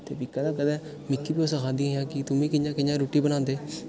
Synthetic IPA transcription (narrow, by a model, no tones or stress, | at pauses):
t̪ḛːbiːkəd̪ãːkəd̪ɛ̃ː | mɪkːiːpiːosəkʰaːd̪iɦãːkɪt̪ʊmĩːkɪjãːkɪjãːɾoːʈiːbənãːnd̪eː